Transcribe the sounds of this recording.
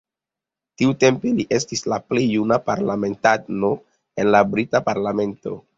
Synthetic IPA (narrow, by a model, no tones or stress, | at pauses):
tiute̞mpeliʔe̞s̬tislaplejːunapaɾlame̞ntano̞ | e̞nlabɾitapaɾlame̞nto̞̰